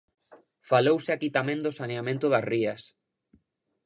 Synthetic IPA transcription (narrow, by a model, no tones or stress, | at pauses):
falowseakit̪amẽnd̪osaneamẽnt̪oðasrias